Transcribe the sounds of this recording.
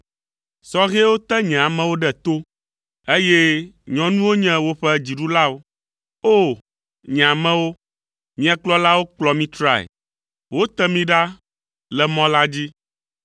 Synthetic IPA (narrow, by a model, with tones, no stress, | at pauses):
sɔ˦ɣe˦wo˦t̪ɛ˦ɲɛ̃˨a˨mɛ̃˦wo˦ɖɛ˨t̪o˦ | e˦je˦ɲɔ̃˨nũ˦wo˦ɲɛ̃˦wo˦ɸɛ˦d͡ʑi˨ɖu˦la˦wo˦ | o˦˨ | ɲ˨a˨mɛ̃˦wo˦ | mĩ˦a˨k͡plɔ˦la˦wo˦k͡plɔ˨mĩ˦t̪ɾa̰˦˨ḛ˨ | wo˦t̪ɛ˦mĩ˦ɖa˦ | lɛ˨mɔ̃˦la˦d͡ʑi˦